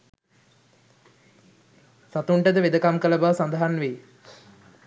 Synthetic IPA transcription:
sat̪uɳʈəd̪əʋed̪əkamkələbaʋsand̪əɦanʋeː

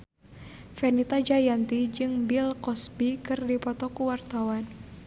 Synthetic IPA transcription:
fɛnit̪ad͡ʒajant̪id͡ʒɨŋbilkɔsbikɨrdipɔt̪ɔkuwart̪awan

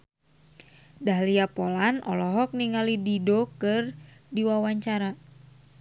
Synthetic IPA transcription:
daɦliapolanʔɔ̰lɔɦɔk̚niŋalididokɨrdiwawaɲt͡ʃaɾa

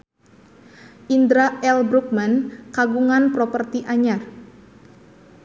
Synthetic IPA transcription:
ʔind̪ɾaɛlbɾuk̚mankaɡuŋanpɾopərt̪iʔaɲar

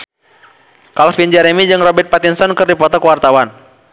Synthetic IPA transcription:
kalfind͡ʒɛɾɛmid͡ʒɨŋrɔbɛrt̪̚pat̪insɔnkɨrdipɔt̪ɔkəwart̪awan

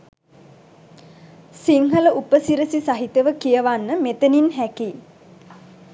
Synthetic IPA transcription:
siŋɦələʔupəsiɾəsisaɦit̪əʋəkijəʋanːəmet̪əninɦæki

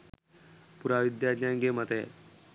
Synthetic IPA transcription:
puɾaʋid̪jadnaŋɡemət̪e

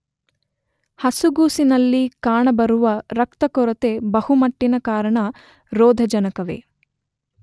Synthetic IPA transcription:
hɐsuɡuːsinɐlːikaːɳɐbɐɾuʋɐɾɐk̚t̪ɐkɔɾɐt̪ebɐhumɐʈːinɐkaːɾɐɳɐ | ɾoːd̪ʱɐd͡ʒɐnɐkɐʋḛː

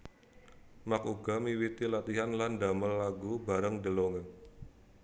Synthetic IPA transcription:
makuɡamiwit̪ilat̪iɦanlandaməlːaɡubaɾəŋdəloŋən

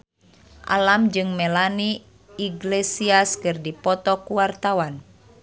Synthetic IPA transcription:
ʔa̰lamd͡ʒɨŋmɛlaniː | ɡlesiaskɨrdipɔt̪ɔkuwart̪awan

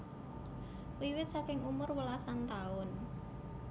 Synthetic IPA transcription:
wiwɪt̪̚sakɪŋumʊrwəlasant̪aʊn

